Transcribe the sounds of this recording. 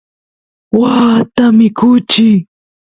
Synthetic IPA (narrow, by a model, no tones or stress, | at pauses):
waːt̪amɪkʊt͡ʃɪ